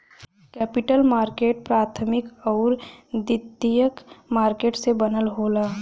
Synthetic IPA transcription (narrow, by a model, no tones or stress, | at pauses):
kɛːpɪʈəlmaːɾkeːʈ̚pɾaːt̪ʰmɪkɔːɾd̪ɪt̪ːijəkmaːɾkeːʈsebənəlɦoːlaː